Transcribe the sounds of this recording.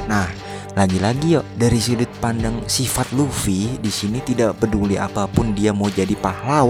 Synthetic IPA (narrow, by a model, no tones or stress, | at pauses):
nah | laɡilaɡijɔdaɾisidʊt̪̚pandaŋsifat̪̚lufidisinit̪idaʔpədulia̰papʊndiamaud͡ʒadipahlaw